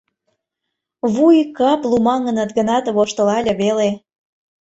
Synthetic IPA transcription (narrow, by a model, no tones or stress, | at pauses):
βujkɑplumɑŋə̆nət̪ɡənɑt̪βoʃt̪ə̆lɑlʲɤβele